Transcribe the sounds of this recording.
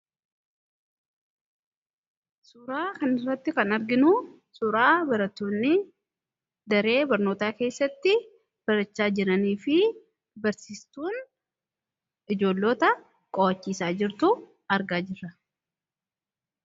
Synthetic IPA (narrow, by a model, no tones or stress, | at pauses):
sʊɾaːkɐnɪrːɐt̪ːɪkɐnɐɾɡɪnʊ | sʊɾaːbɐɾɐt̪ːoːnːɪ | d̪ɐɾe̞ːbɐɾno̞ːt̪aːke̞ːsːɐt̪ːɪ | b̥ɐɾɐt͡ʃːaːd͡ʒɪɾɐniːfɪ | bɐɾsiːst̪uːn | ɪd͡ʒo̞ːlːo̞ːt̪ɐ | kʼɔwɐt͡ʃːiːsaːd͡ʒɪɾt̪ʊ | ɐɾɡaːd͡ʒɪrːɐ